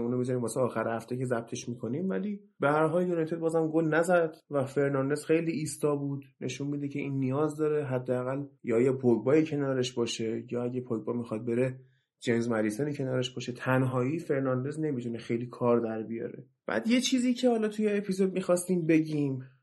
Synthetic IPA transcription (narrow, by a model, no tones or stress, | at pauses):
uːnomizɔɾiːmbɒːseɒːxæɾhæft̪ecʰe̞zæb̚t̪ʰe̞ʃmikʰo̞niːmvæliː | behæɾɦɒːljunɒjt̪ʰo̞d̪̚bɒːzæmɡolnæzæd̪̥væfe̞ɾnɒnd̪e̞z̥xe̞jliːst̪ɒːbuːd̪̥nʔe̞ʃunmid̪ecʰe̞ʔiːnːijɒːzd̪ɒːɾeɦæd̪ːeæɣæljɒːjɒpʰoɡbɒːjicʰe̞nɒːɾeʃbɒːʃejɒːæɟepʰoɡbɒmixɒd̪̚be̞ɾe | d͡ʒenzmælisɛnicʰe̞nɒːɾeʃbɒːʃe̞t̪ʰænɦɒːiːfe̞ɾnɒnd̪e̞zne̞mit̪ʰunexe̞jliːkʰɒːɾd̪æɾbijɒ̰ːɾe̞̰ | b̥æ̰ːd̪je̞t͡ʃʰiːziːcʰe̞hɒːlɒt̪ʰujeːpʰizo̞d̪̚mixɒːst̪iːmbe̞ɟʲiːm